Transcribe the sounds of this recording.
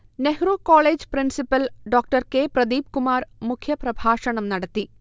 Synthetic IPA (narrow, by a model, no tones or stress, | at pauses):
nehɾuːkoːɭeːd͡ʑprinsipːɐlɖoːk̚ʈɐrkeːprɐd̪iːb̚kumaːrmukʰjɐprɐbʱaːʂɐɳɐmnɐɽɐt̪ːi